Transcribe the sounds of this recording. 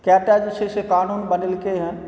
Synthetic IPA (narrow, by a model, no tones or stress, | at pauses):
kɛːʈad͡ʒɪʃeʃekaːnuːnbənɪlkeɦɛ̃ː